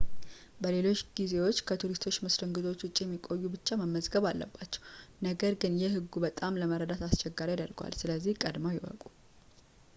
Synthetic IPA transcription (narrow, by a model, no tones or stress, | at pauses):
bəle̞lo̞t͡ʃːɡizewo̞t͡ʃːkʰət̪ʰuɾist̪ʰo̞t͡ʃːmɨsɾɨŋɡɨzo̞t͡ʃːwʊt͡ʃʼijɛmːikʼo̞jːubɨt͡ʃːaməmːəzɡəβalːə̰bːat͡ʃːɛ̥wnəɡəɾɡɨnjɛɦɨɡːubət̪ʼamləməɾəd̪at̪ʰast͡ʃɛɡːaɾijad̪əɾɡwa̰lsɨləzːihkʼəd̪mojɪwə̰kʼu̥